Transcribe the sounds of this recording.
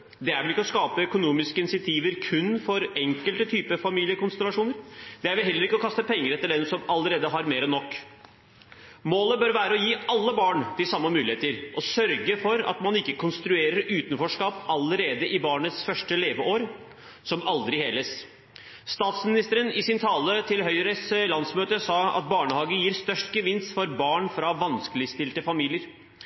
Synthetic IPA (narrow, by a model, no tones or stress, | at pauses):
d̪ɛæɾʋɪlɪkːɔskɑːpəœkʊnuːmɪskəɪnɪsɪɑt̪ʰiːʋəɾkʰʉnːfɔɾɛŋkəlt̪ət̪ʰyːpəfɑmiːlɪəkʊnst̪ɾʉɑʂuːnəɾd̪̥ɛæɾʋɪlɦɛlːəɾɪkːɔkʰɑst̪əpʰɛŋːəɾɛt̪ːəɖɛnsɔmɑləɾeːd̪əɦɑɾmeːɾɔnɔkː | moːləbœɾʋæːɾəɔjiːɑlːəbɑːɳt̪ɪsɑmːəmʉːlɪeːt̪əɾʔɔsœɾɡəfɔɾɑ̰t̪mɑnɪkːəkʰʊnst̪ɾʉeːɾəɾʉːt̪ənfɔʂkɑːpɑləɾeːd̪əʔɪbɑːɳət̪sfœʂʈəleːʋəʔoːɾ | sɔmɑld̪ɾɪheːləs | st̪ɑːt̪smɪnɪst̪əɾənɪsɪnt̪ʰɑːlət̪ʰɪlɦœʏɾəslɑnsmøːt̪əsɑːɑ̰t̪̚bɑːɳəhɑːɡəjiːɾst̪œʂʈɡəʋɪnsfɔɾbɑːɳfɾɑʋɑnskəlɪst̪ɪlt̪əfɑmiːlɪəɾ